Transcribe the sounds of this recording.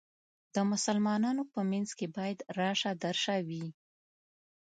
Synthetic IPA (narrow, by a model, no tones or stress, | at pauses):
d̪̥əmʊsalmɑnɑnopəmanzkebɑjad̪ɾɑʂad̪aɾʃawi